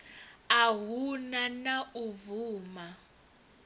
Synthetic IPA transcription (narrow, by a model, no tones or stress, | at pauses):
aɦunanauvuːma